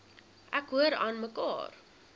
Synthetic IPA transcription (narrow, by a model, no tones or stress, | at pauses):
ʔækɦuəɾɑːnməkɑ̰ːr